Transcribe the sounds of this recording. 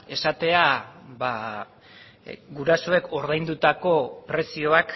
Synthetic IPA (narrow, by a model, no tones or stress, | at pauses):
e̞sat̪e̞aba | ɡuɾaso̞e̞kʰo̞ɾð̞ajnd̪ut̪ako̞pɾe̞sio̞ak